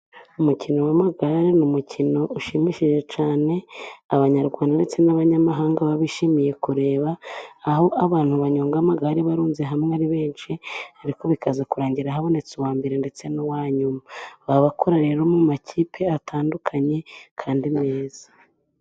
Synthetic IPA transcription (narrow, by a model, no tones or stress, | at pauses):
umucino̞wamaɡaɾenumucʰino̞uʃimiʃiʒe̞t͡ʃaːne̞aβaɲaɾɡwaːndandet͡se̞naβaɲamaɦaːŋɡaβaβiʃimije̞kuɾe̞ːβaːɦo̞ʔaβaːn̥huβaɲoːŋɡamaɡaɾiβaɾuːnzeɦamŋaɾiβe̞ːnʃiaɾiko̞βikazakuɾaːɲɟiɾahaβo̞ne̞t͡suwaːmbeɾende̞t͡se̞nowaːɲumaaβaβakʰo̞ɾaɾeɾomumaciːpʰe̞atʰaːndukʰaɲe̞kʰaːndime̞ːz̥ḁ